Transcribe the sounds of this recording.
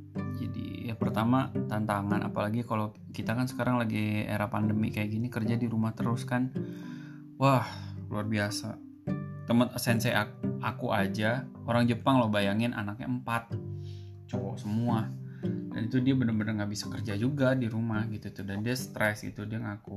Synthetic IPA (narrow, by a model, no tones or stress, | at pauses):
d͡ʒa̰dḭjaŋpərt̪amat̪ant̪aŋanʔa̰palaɡikalo | kit̪akansə̥kaɾaŋlaɡiḛɾahpandəmḭkajaʔɡinikərd͡ʒadiɾumaht̪əɾʊskan | wahluarbiasa̰ | t̪əmət̪əsɛnsɛʔaakuʔad͡ʒaoɾaŋd͡ʒəpaŋlohbajaŋɪnʔa̰nakɲa̰əmpat̪̚ | t͡ʃowɔʔsəmuada̰nit̪udiabənərbənərŋɡaʔbisḁkərd͡ʒad͡ʒuɡadiɾumahɡit̪ut̪udandiast̪ɾɛsɡḭt̪udiaŋaku